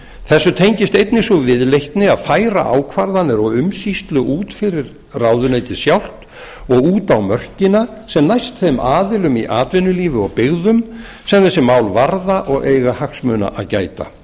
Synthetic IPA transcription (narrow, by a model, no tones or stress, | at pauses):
θɛsːʏt̪ʰejɲcɪst̪ejt̪̚nɪsuvɪðlejht̪nɪaðfaːjɾa̰ʔa̰ːwkʰvaɾðanːɪɾɔɣʏmsist̪lʏʔuːt̪fɪɾɪɾ | rawðʏnejt̪ɪsjawl̥t̪ | ɔɣuːt̪awmœr̥cɪnasɛmnajst̪θemʔaːðɪlʏmiʔaːt̪vɪnːʏliːvɪɔɣpɪɣðʏm | sɛmθɛsɪmːaːwlvaɾðaʔɔɣejɣahaksmʏːna̰ʔaðcaːjt̪a̰